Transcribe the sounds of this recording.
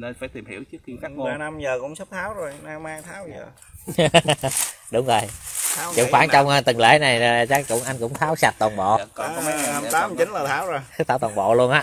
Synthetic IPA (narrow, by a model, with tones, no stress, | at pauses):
n˧faː˧˩jt̪i˨˩mhḭ˧˩əwt͡ɕɨ˦˥əka˦˧aː˧na˧mzəː˨˩kʊ̰˧˥ŋ͡msə˦˥p̚t̪ʰaː˨˦wzo˨˩jna˧maː˧jt̪ʰaː˨˦wzəː˨˩ | ɗʊ˨˦ŋ͡mzo˨˩jt͡ɕɨ̰˨˧˩kxwaː˧˩nt͡ɕɔ˧wŋ͡mt̪i˨˩ŋlḛ˧˩˥na˨˩jt͡ɕa˦˥kkʊ̰˧˥ŋ͡mʔa˧jŋ̟kʊ̰˧˥ŋ͡mt̪ʰaː˨˦wsa˨˩t̚t̪wɔː˨˩nɓɔ̰˧˨˧ɔ˨˦mə˨˦jɲa˨˧˩a˧mt̪aː˨˦˧t͡ɕï˨˦nlaː˨˩t̪ʰaː˨˦wzo˨˩jspt̪ʰaː˧˥wt̪ɔː˨˩ɓɔ̰˧˨lu˧ənʔaː˨˦˥